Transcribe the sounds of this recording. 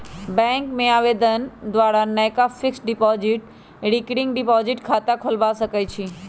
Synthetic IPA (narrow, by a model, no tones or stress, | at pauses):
bɛ̃ːŋkmẽaːʋeːd̪ənd̪ʋaːɾanəjkafɪksɖɪpɔːzɪʈ | ɾɪkɽɪ̃ŋɡɖɪpɔːzɪʈkʰaːt̪akʰʊlbasɐkəjt͡ɕʰiː